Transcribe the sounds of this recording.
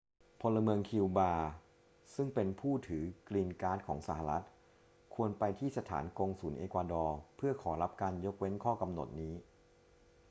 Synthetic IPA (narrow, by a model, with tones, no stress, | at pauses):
pʰo˧nla˧mɯ˧əŋkʰi˧wbaː˧ | sɯ˥˩ŋpe˧npʰuː˥˩t̪ʰɯː˩˦kliː˧nkaː˦˥t̪̚kʰɔ̰ː˩˦ŋsa˩˦ha˧ɾa˦˥t̪̚ | kʰu˧ənpa˧jt̪ʰiː˥˩sa˧t̪ʰa̰ː˩˦nko˧ŋsuː˩˦nʔeː˧kwaː˧dɔː˧pʰɯ˥˩ɐkʰɔː˩˦ɾa˦˥p̚kaː˧njo˦˥k̚we˦˥nkʰɔː˥˩ka˧mno̰˨˩t̪̚niː˦˥